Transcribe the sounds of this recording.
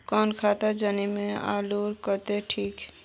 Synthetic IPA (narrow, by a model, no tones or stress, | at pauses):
kɔːnkʰaːt̪ad͡ʒaːnemẽa̰ːluːɾkət̪eʈʰiːk